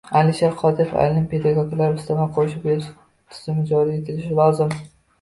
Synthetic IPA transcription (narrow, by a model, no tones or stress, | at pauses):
alɪʃaqʰɒd̪ɪjɪfa̰jlnɪnpʲe̞d̪aɡɒɡʲlaɾʊst̪ʰamaqʰoʃɪbʲeɪʃ | t̪ʰɪ̥z̥ɪmɪd͡ʒɒɾiːe̞t̪ʰɪlɪʃɪlˠɒwzɪm